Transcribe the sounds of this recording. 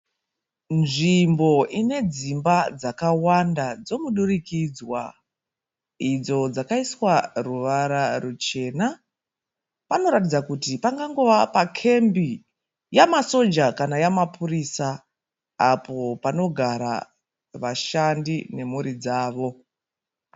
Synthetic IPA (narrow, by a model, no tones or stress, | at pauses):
nʐimbo̞ʔine̞d͡zimbad͡zakawandad͡zo̞muɗurikid͡zwa̰ | id͡zo̞d͡zakaiswaruʋaɾarut͡ʃe̞na | pano̞ɾatid͡zakutipaŋɡaŋɡo̞ʋapakʰe̞mbi | jamaso̞d͡ʒakanajamapuriːsa | apo̞pano̞ɡʱaɾa̰ | ʋaʃandine̞muɾid͡zaːʋo̞